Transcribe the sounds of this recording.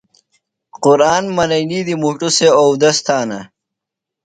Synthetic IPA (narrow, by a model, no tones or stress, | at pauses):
qʊɾaːnmɐnɐjnid̪imuʈuseowd̪ɐst̪ʰaːnɐ